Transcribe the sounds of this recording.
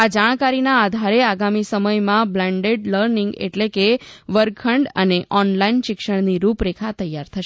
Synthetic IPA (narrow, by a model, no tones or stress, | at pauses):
ad͡ʒaɽ̃kaɾinaːd̪ʱaɾeaɡamisəməjmãblɛ̃ɳɖeɖləɾniŋɡḛʈlekeʋəɾkʰəɳɖə̰neʔɔnlainʃɪkʃəɳniɾupɾekʰat̪əjːaɾt̪ʰəʃ